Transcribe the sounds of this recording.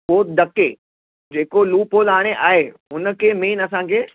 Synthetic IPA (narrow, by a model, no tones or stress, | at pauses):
oːt̪d̪ɐkḛː | d͡ʒeːkoluːpoːlaːɽ̃eʔaːɦeʊnkemeːnɐsãkʰeː